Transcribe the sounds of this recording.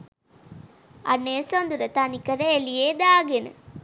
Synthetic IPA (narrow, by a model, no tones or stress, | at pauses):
ɐ̰nːesond̪uɾɐt̪anikːɐɾɐelijed̪aːɡen̰